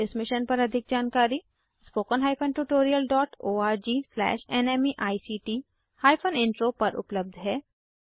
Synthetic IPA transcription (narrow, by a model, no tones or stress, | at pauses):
ɪsmɪʃənpɐɾɐd̪ʱɪk̚d͡ʒaːnkaːɾi | spoːkənɦaːɪpʰənʈuːʈoːɾijəlɖɔːʈoːaːɾd͡ʒiːslɛ̰ːʃɛnɛːmiʔaːisiːʈiː | haːjpʰənɪ̃ɳʈɾoːpɐɾʊ̰pləb̚d̪ʱɦɛː